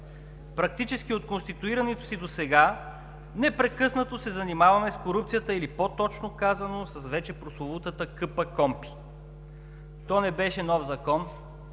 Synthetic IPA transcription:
pɾɐk̚t̪it͡ʃɛsk̟iot̪̚konst̪it̪uiɾɐnɛt̪o̥sid̪osɛɡa | nɛpɾɛkɤsnət̪osɛzɐnimavɐmɛskoɾup̚t̪siət̪əilipot̪ɔt͡ʃnokazɐnosɐsvɛt͡ʃɛpɾosˠovut̪ət̪əkɤpəkɔmpi̥ | t̪ɔnɛbɛʃɛnɔfzɐkɔn

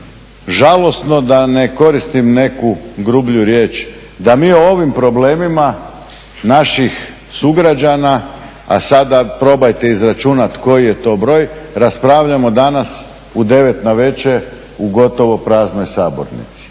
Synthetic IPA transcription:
ʒalˠo̞sno̞d̪ane̞ko̞ɾist̪imne̞kuɡɾubʎuɾje̞ːt͡ʃ | d̪amiːo̞oʋimpɾo̞bleːmima | naʃix | suɡɾad͡ʒana | a̰sad̪apɾo̞bajt̪e̞izɾat͡ʃunat̪ko̞jije̞t̪o̞ːbɾo̞ːjɾaspɾaːʋʎamo̞d̪anas | ud̪e̞ʋe̞t̪naʋe̞t͡ɕe̞ | uɡo̞t̪o̞ʋo̞pɾaːzno̞jsaːbo̰ɾnḭt̪si̥

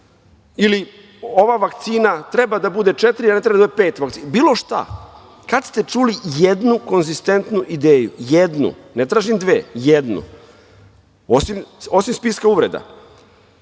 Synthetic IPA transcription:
ili | o̞ʋaʋakt̪siːnat̪ɾe̞bad̪abud̪e̞t͡ʃet̪ɾianet̪ɾeaabud̪epeːt̪ʋakt̪ibiːlo̞ʃt̪a̰ | kad̪st̪e̞t͡ʂulijed̪nuko̞nzist̪e̞nt̪nuʔid̪eːjṵjed̪nṵnet̪ɾaːʒimd̪ʋḛːjed̪nṵ | osimo̞simspiskauʋɾed̪a̰

